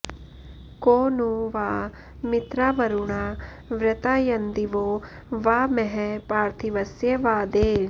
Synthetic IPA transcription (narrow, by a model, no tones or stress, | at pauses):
koːnuʋaː | mit̪ɾaːʋɐɾuɳaː | ʋɾɐt̪aːjɐnd̪iʋoː | ʋaːmɛɦɛpaːɾt̪ʰiʋɐsjɐʋaːd̪eː